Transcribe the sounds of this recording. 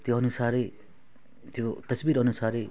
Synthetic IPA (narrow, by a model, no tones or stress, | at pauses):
t̪joʌnusaɾe | t̪jot̪ʌsbiɾʌnusaɾe